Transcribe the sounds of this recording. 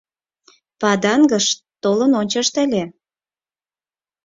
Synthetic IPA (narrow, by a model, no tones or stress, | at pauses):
pɑd̪ɑŋɡəʃ | t̪olənonʲt͡ɕɑʃt̪ælʲe